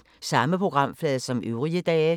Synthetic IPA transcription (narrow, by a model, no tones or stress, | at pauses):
sɑ̈məpʰʁo̝ɡ̥ʁɑ̈m̰flɛːðˠsɒ̽mʔøʊʁiəd̥ɛː